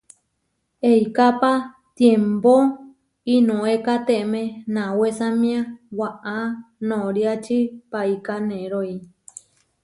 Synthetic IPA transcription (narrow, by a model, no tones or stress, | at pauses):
ejkapa | t̪jembo | inõekat̪eʔmẽnãwesãmĩãwaʔanõɾjat͡ʃipaikanẽɾoi